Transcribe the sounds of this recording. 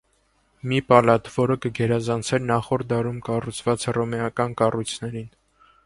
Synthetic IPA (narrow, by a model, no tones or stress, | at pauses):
mipɑlɑt̪vɔɾəkəɡɛɾɑzɑnt͡sʰɛɾnɑχɔɾ̚d̪ɑɾumkɑrut͡sʰvɑt͡shrɔmɛɑkɑnkɑrujt͡sʰnɛɾin